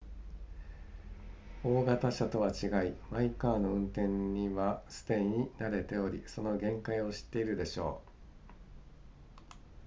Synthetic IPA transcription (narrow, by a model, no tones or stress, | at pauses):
o̞ːɡat̪aɕat̪o̞βat͡ɕiɡaimaikaːno̞ɯ̟̃nt̪ẽ̞ɲɲiβasɨ̥t̪e̞iɲ̟inaɾe̞t̪e̞o̞ɾʲḭso̞no̞ɡẽ̞ŋkaio̞ɕi̥t̪ːe̞iɾɯ̟d̪e̞ɕo̞̰ː